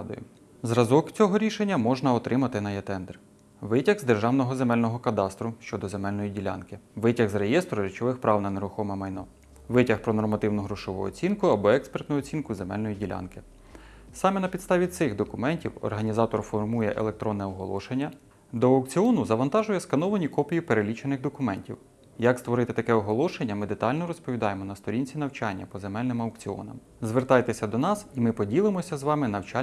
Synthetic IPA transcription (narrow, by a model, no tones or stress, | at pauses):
d̪ɔ̰jʊ̰ | zrɐzɔkt͡sʲɔɦɔɾʲiʃenʲːɐmɔʒnɐɔt̪ɾɪmɐt̪ɪnɐjɛt̪ɛnd̪ɛr | ʋɪtʲɐɣzd̪e̞rʒɑwnɔɦɔzemɛlʲnɔɦɔkɐd̪ɑst̪ɾʊʃt͡ʃɔd̪ɔzemɛlʲnɔjidʲilʲa̰nkɪʋɪtʲɐɣzɾejɛst̪ɾʊɾʲit͡ʃɔʋɪxpɾʔɑwnɐneɾʊxɔmɛmɐjnɔ̰ | ʋɪtʲɐxpɾɔnɔrmɐt̪ɪwnʊɦɾʊʃɔʋṵɔ̰t͡sʲinkʊɐbɔɛkspert̪nʊjʊɔt͡sʲinkʊzemɛ̰lʲnɔjidʲilʲɑ̰nkɪ | sɑmɛnɐpʲid̪st̪ɑʋʲit̪sɪxd̪ɔkʊmɛnʲtʲiwɔ̰rɦɐnʲizɑt̪ɔrfɔrmujɛ̰ʔḛlˠek̚t̪ɾɔnːɛɔɦɔ̰lˠɔ̰ʃenʲːɐ | d̪ɔɐwkt͡sʲiɔnʊzɐʋɐnt̪ɑʒʊjɛskɐnɔʋɐnʲikɔpʲijipeɾelʲit͡ʃenɪɣd̪ɔkʊmɛnʲtʲḭw | jɐkst̪ʋɔɾɪt̪ɪt̪ɐkɛɔɦɔlˠɔʃenʲːɐmɪd̪e̞t̪ɑlʲnɔɾɔspɔʋʲid̪ɑjemɔnɐst̪ɔɾʲinʲt͡sʲin̪ɐwt͡ʃɑnʲːɐpɔzemɛlʲnɪmɐwk̚t͡sʲiɔ̰nɐ̰m | zʋert̪ɑjt̪esʲɐd̪ɔnɑsimɪpɔdʲilˠɪmɔsʲɐzʋɑmɪnɐwt͡ʃɑ